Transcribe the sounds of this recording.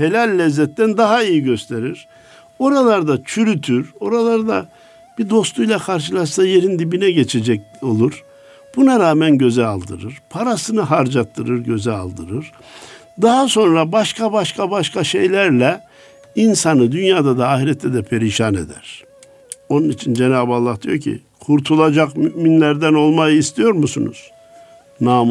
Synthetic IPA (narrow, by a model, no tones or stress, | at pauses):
he̞lʲalʲːɛzːɛt̪ːænd̪aɦaijiɟø̞st̪ʰe̞ɾiɾ̥ | o̞ɾalˠaɾd̪at͡ʃʰyɾyt̪ʰyɾo̞ɾalˠaɾd̪a | b̥id̪o̞st̪ʰujlˠakʰaɾʃ̬ɯlˠaʃsaje̞ɾind̪ibinɛɟe̞t͡ʃʰe̞d͡ʒɛc̚ | o̞lˠuɾ | b̥unaɾaːmænɟø̞zɛalˠd̪ɯ̰ɾɯɾ̥pʰaɾasɯnɯɦaɾd͡ʒat̪ʰːɯɾɯɾɟø̞zɛa̰lˠd̪ɯɾɯɾ̥ | d̪aɦaso̞nɾabaʃkʰabaʃkʰabaʃkʰaʃe̞jlʲæɾlʲɛ | insanɯd̪ynjaːd̪ad̪aːhiɾɛt̪ʰːɛd̪ɛpʰe̞ɾiʃaːne̞̰d̪æ̰ɾ̥ | o̞nunit͡ʃʰind͡ʒe̞naːbalˠːahd̪ijo̞cʰḭ | kʰuɾt̪ʰulˠad͡ʒakmyʔminlʲæɾd̪æno̞lˠmajɯist̪ʰijo̞ɾmusunṵz̥ | naːm